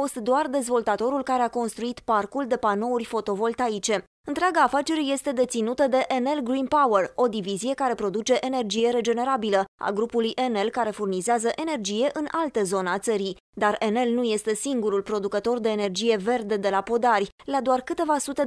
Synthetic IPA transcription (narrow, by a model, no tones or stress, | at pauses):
o̞st̪d̪oard̪e̞zvo̞lt̪at̪o̞ɾulkaɾe̞ako̞nst̪ɾuit̪parkuld̪e̞pano̞urʲfo̞t̪o̞vo̞lt̪ajit͡ʃe̞ | ɨnt̪ɾeaɡaːfat͡ʃe̞ɾe̞je̞st̪e̞d̪e̞t̪sinut̪əd̪e̞ʔene̞lɡɾinpawero̞d̪ivizije̞kaɾe̞pɾo̞d̪ut͡ʃe̞ʔene̞rd͡ʒije̞ɾe̞d͡ʒe̞ne̞ɾabiləa̰ɡɾupulujʔe̞ne̞lkaɾe̞furnizeazəʔe̞ne̞rd͡ʒije̞ʔɨnalt̪əzo̞nəat̪səɾi | d̪arene̞lnuje̞st̪e̞siŋɡuɾulpɾo̞d̪ukət̪o̞rd̪eːne̞rd͡ʒije̞ve̞rd̪e̞d̪e̞lapo̞d̪arʲlad̪oarkɨt̪e̞vasut̪e̞